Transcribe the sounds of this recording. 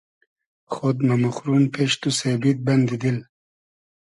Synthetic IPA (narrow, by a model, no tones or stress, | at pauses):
χod̪mamuxɾunpʰeʃt̪usebit̪̚bɐnd̪id̪il